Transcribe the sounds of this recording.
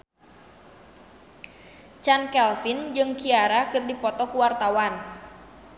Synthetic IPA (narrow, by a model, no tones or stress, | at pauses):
t͡ʃankɛlfind͡ʒɨŋkiaɾakɨrdipɔt̪ɔkuwart̪awan